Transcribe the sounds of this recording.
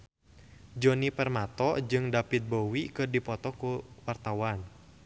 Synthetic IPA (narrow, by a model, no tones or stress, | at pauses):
d͡ʒɔnipərmat̪ɔd͡ʒɨŋdapit̪̚bowikɨrdipɔt̪ɔkuwart̪awan